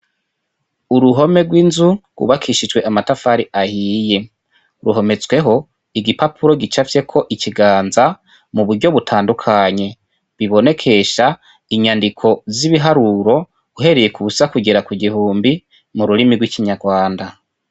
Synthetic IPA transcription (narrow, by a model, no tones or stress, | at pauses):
uɾuɦo̞me̞ɡwinzuɡṵβakʰiʃid͡ʒɡwe̞ʔamatafaɾiʔahiːje̞ | ɾuɦo̞me̞t͡swe̞ɦo̞ | iɡipapʰuɾo̞ɡit͡ʃafje̞kʰo̞ʔiciɡaːnza | muβuɾɟo̞βutʰaːndukʰaɲe̞ | βiβo̞ne̞kʰe̞ʃa | iɲandikʰo̞ziβiɦaɾuɾo̞ | uɦe̞ɾejekuβusakuɡeɾakwuɡihuːmbi | muɾuɾimiɡwikiɲaɡwaːnda